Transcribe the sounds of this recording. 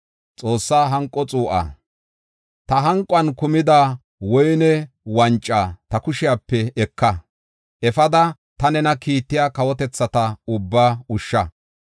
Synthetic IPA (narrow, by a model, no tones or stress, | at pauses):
t͡sʼo̞ːsːaːɦɐŋkʼːɔt͡sʼuːʔa̰ | t̪ɐɦɐŋkʼwɐnkʊmɪd̪a | wɔjnɛ | wɐnt͡ʃʼːaːt̪ɐkʊʃɪjaːpːɛɛkːɐ | ʔɛfɐd̪ɐ | t̪ɐnɛnɐkiːt̪ːɪjaːkɐwɔt̪ɛt͡sːɐt̪ɐʊbːaːʊʃːɐ